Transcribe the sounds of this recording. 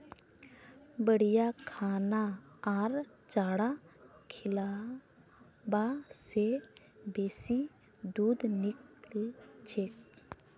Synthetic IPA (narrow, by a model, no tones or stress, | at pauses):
bəɽijakʰaːnaːɾ | t͡ʃaːɽakʰɪla | base | beːsi | d̪uːd̪niklt͡ʃʰek